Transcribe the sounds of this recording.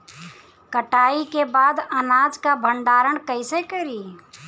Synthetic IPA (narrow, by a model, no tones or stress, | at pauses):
kəʈaːikebaːd̪ənaːd͡ʒkabʱəɳɖaːɾəɳkəɪsekəɾiː